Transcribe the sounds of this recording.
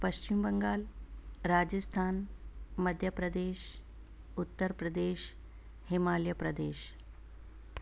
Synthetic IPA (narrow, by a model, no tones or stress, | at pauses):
pəɕt͡ɕimbəŋɡaːlɾad͡ʑəst̪ʰaːnməd̪ʱjəpɾəd̪eːɕ | ut̪ːəɾpɾəd̪eːɕ | hemaljəpɾəd̪eːɕ